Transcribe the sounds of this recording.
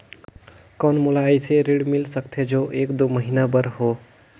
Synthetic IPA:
kɔnmulaəjseɾeɽmilsəkt̪ʰed͡ʒoʔeːkd̪oməɦinabəɾɦo

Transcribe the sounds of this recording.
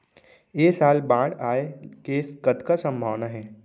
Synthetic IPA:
eːsaːlbãːɽaːekeːskɐt̪kasə̃mbʱaːʋnaɦɛː

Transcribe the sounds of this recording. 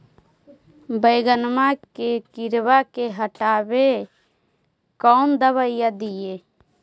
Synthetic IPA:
bəɪɡənmakekiɾbakeɦəʈabe | kɔʊnd̪əβəjjad̪ije

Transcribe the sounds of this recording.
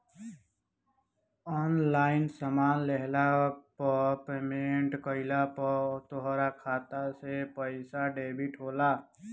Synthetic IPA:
ɔːnlaːɪnsəmaːnlɛɦlapɔpemeɳʈkəɪlapɔt̪oɦɾakʰaːt̪asepəɪsaɖeːbʱiʈɦoːlaː

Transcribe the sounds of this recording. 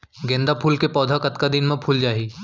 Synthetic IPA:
ɡẽːnd̪apʰuːlkepɔːd̪ʱakɐt̪kad̪ɪnmẽpʰuːld͡ʒaːɦiː

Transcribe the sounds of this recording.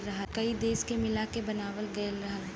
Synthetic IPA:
ɾɐɦakɐid̪eːskemɪlakebɐnaːʋəlɡɐlːɐɦa

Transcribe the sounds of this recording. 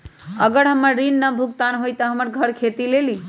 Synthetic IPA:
əɡəɽɦəməɾːinːəbʱukt̪anɦojt̪ɔɦəməɾɡʱəɾkʰet̪ileli

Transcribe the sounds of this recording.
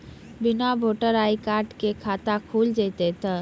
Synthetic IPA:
bɪnabʱoːʈəɾaːikaːɾʈkekʰaːt̪akʰuːld͡ʒet̪et̪ə

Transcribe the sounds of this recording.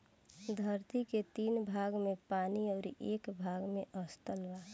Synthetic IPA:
d̪ʱəɾt̪iket̪iːnbʱaɡmepaniɔːɾeːkbʱaɡmeʔəst̪əlʋa

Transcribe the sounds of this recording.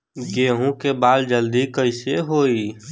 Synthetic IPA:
ɡeɦũkebald͡ʒəld̪ikəɪseɦoi

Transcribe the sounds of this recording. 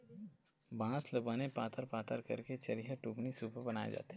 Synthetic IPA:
bãːslɐbaːnepaːt̪ʰəɾpaːt̪əɾkɐɾket͡ʃɐɾiɦəʈuːpnisuːpəbɐnaːḛd͡ʒa̰ːt̪e

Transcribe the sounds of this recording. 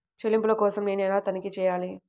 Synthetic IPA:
t͡ʃelimpulɐkɔːsɐmneːnɛːlaːt̪ɐnɐkit͡ʃɛːjaːli

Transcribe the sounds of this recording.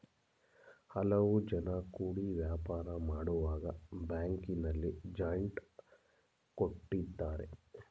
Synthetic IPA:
hɐlɐʋud͡ʒɐnɐkuːɽiʋjaːpaːɾɐmaːɽuʋaːɡɐbaːŋkinɐlːid͡ʒɐjɳʈ | koʈːid̪ːaːɾḛ

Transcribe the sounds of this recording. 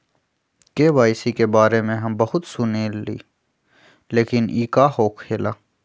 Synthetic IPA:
keːʋaːɪsikebaːɾemẽɦɐmbɐɦʊt̪sʊneːlḭː | leːkɪniːkaɦoːkʰeːlaː

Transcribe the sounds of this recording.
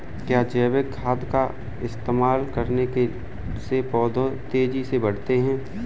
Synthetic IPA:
kjaːd͡ʒɛːʋekʰːaːd̪ka | ɪst̪eːmaːlkɐɾneke | sepɔːd̪ʱõt̪eːd͡ʒisebɐɽ̤t̪eɦɛ̃ː

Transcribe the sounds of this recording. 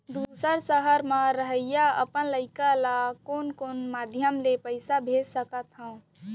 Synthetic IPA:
d̪usəɾsəɦəɾməɾəɦəjaə̰pənləɪkalakonkonmad̪ʱjəmlepəɪsabʱesəkət̪ɦə̃ʊ̃

